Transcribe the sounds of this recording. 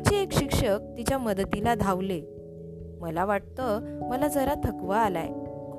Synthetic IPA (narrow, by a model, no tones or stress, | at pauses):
t͡ɕeekɕikʂək̚t̪it͡ɕjaməd̪t̪ilad̪ʱaʋle | məlaʋaʈ̚t̪əməlad͡zəɾat̪ʰəkʋaːla̰j